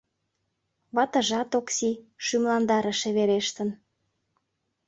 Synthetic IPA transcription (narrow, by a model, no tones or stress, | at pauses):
βɑt̪ə̆ʒɑt̪oksiʃymlɑnd̪ɑɾəʃeβeɾeʃt̪ən